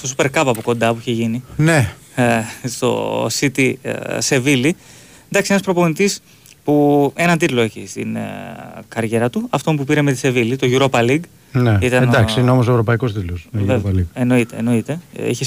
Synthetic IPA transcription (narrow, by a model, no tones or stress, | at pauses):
st̪osupe̞ɾkɐpɐpoko̞nd̪ɐpuiçeʝinine | st̪o̞̰sit̪ḭse̞vili | end̪ɐksienɐspɾo̞po̞nit̪is | pue̞nɐnt̪it̪lo̞eçist̪ḭn | kɐɾʝe̞ɾɐt̪uɐft̪o̞mpupiɾemet̪i̥se̞vilit̪o̞ʝuɾopɐliɡ | neit̪ɐend̪ɐksiineo̞mos̬oevɾo̞pɐiko̞st̪it̪losvevliɡeno̞it̪e̞̰ːno̞it̪e̞ḭçes